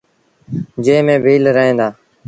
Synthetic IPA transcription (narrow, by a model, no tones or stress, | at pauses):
d͡ʒeːmẽːbʱiːlɾəɦẽːnd̪aː